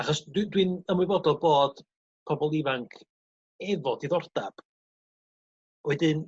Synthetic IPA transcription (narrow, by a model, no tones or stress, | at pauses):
aχɔsd̥dwinəmwɨvɔdɔlˠboːd̥ | pʰɔbɔlˠivaŋkʰ | ɛvɔdiðɔrd̥ab̥ | wɛdɪn